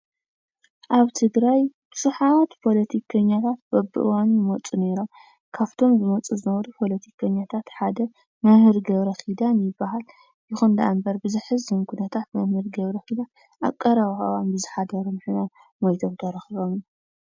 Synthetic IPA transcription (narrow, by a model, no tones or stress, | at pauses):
ʔaβt̪ʰɨɡɾajbɨʃuħat̪pʰo̞lɐt̪ʰikʰɐɲːat̪ʰat̪̚bɐbɨ̰ʔɨwanjɪmot͡sʼune̞ɾom | kʰaft̪ʰo̞mzɨmɐt͡sʼuzɨnɐβɐɾupʰo̞lɐt̪ʰikʰɐɲːat̪ʰat̪ħad̪ɐ | mɐhɨɾɡɐβɾɐxid̪anjɪbːaɦal | jɪxund̪ɐʔambɐɾbɨzɨħɨzːɨmkʰunɐt̪ʰat̪mɐhɨɾɡɐβɾɐxid̪a | ʔa̰kʼːɐɾɐβawanbɨzɨħad̪ɐɾomħɨna | mojt̪ʰomt̪ʰɐɾɐxiβomju